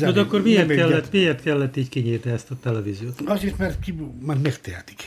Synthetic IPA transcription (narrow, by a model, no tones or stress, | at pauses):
od̪ɒkːormieːrtkɛlːɛt̪ːmieːrt̪kɛlːɛt̪ːiːɟkiɲiːrniɛst̪ɒt̪ɛlɛviːzioːt̪ɒzeːrt̪mɛrt̪kimɛrt̪mɛkt̪ɛɛt̪i̥k